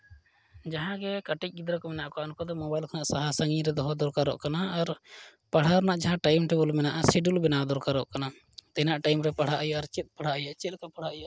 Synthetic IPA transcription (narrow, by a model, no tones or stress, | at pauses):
d͡ʒaɦãɡɛkaʈic̚ˀɡid̪ɾakɔmɛnaʔkɔɔnkɔd̪ɔmɔbajlkanaʔsaɦasaŋiɾɛd̪ɔɦɔd̪ɔɾkaɾɔ̰ʔkanaːɾ | paɽ̤aɾnaʔd͡ʒaɦãʈajmʈɛbulmɛnaʔasiɖulbɛnad̪ɔɾkaɾɔʔkana | d̪ɛnaʔʈajmɾɛpaɽ̤aʔajɔʔaɾt͡ʃɛt̪̚ˀpaɽ̤aʔajaʔt͡ʃɛt̪̚kapaɽ̤aʔjɔʔ